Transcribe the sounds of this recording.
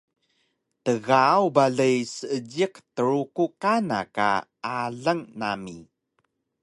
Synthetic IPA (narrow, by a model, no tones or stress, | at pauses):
təɣawbaɮəjsəəɟiktəɾukukana̰ka̰aɮəŋnami